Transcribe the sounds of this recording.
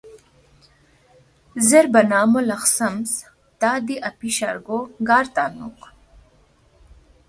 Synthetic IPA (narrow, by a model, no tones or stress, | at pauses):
zeɾbanɑːmolaxsams | t̪ɑːd̪iʔapiʃa̰ɾɡoɡɑːɾt̪ɑːnṵq